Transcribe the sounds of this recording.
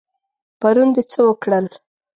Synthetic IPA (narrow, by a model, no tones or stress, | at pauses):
paɾund̪et͡səwəkɽəl